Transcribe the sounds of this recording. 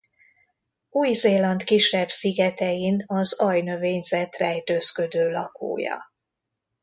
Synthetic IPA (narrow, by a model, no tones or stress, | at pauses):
uːjzeːlɒnt̪kiʃːɛbsiɡɛt̪ɛjinɒzɒjnø̞veːɲzɛt̪rɛjt̪øskø̞d̪øːlɒkʰo̰ːjɒ̰